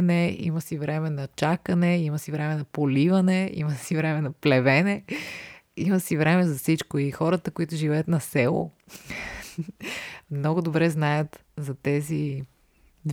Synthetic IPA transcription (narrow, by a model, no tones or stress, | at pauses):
nɛḭmɐsivɾɛmɛnɐt͡ʃakɐnɛimɐsivɾɛmɛnɐpolivɐnɛḭməsivɾɛmɛnɐplɛvɛnɛ | iməsivɾɛmɛzɐfsit͡ʃkoixɔɾət̪əkoit̪ʊʒivɛət̪nɐsɛlˠo̰ | mnɔɡʊd̪obɾɛznajət̪ | zɐt̪ɛzi | d̪